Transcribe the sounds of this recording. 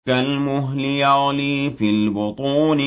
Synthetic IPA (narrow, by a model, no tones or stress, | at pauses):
almʊɦlɪjaːlɪfilbʊt̪ˤuːnɪ